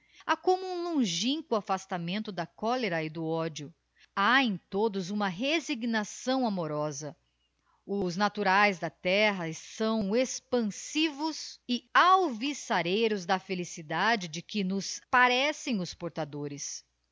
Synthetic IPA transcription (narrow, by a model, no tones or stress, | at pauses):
akõmʊũlõʒĩŋkʊafast̪amẽnt̪ʊd̪ɐkɔleɾɐɪd̪ʊɔd͡ʒjʊ | aẽt̪od̪ʊzũmɐɦeziɡnasɐ̃w̃amoɾɔzɐ | ʊznat̪uɾajzd̪ɐt̪ɛɦɐsɐ̃w̃espɐ̃sivʊzɪawvisaɾejɾʊzd̪ɐfelisid̪ad͡ʒɪd͡ʒɪkɪnʊspaɾɛsẽj̃ʊspoɾt̪ad̪oɾɪs